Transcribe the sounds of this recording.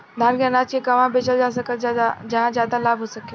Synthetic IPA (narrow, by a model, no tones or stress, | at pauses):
d̪ʱaːnkenaːt͡ʃkekɐʋãbet͡ʃəld͡ʒaːsəkəld͡ʒɐɦãzjaːd̪alaːbʱɦosɐkː